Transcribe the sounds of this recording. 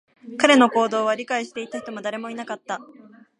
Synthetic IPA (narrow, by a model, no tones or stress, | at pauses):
kaɾe̞no̞ko̞ːd̪o̞ːβaɾʲikaiɕi̥t̪e̞it̪açi̥t̪omod̪aɾe̞mo̞inakat̪ːa